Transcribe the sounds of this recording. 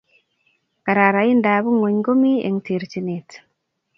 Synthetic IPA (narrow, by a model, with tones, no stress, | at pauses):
ka˨ɾa˨ɾa˨jindaːbu˦ŋo˨ɲɡo˦mi˦ḛ˨ŋti˨ɾt͡ʃinet